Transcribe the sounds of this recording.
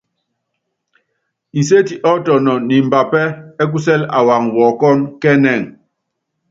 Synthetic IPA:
i˨s̬e˦ti˨ʔɔ˦tɔ˨nɔ˨ni˨m̩˨ba˨pɛ˦ɛ˦k̬u˦s̬ɛ˦la̰˨wa˨ŋwɔ˨kɔ˦nkɛ˦nɛ˦˨ŋ

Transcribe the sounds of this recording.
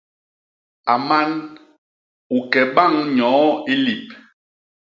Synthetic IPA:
a˨ma˦n | u˨kɛ˨ɓa˦˨ŋɲɔ̃ː˨˦i˦li˨p̚

